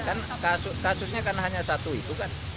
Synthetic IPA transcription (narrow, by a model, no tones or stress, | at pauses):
kan | kasʊkasʊsɲakanɦaɲasat̪uit̪ukan